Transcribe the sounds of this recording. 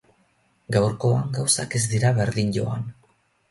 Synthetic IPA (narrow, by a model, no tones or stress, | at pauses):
ɡawɾko̞aŋɡawsake̞zd̪iɾaβe̞ɾðiɲʎo̞a̰n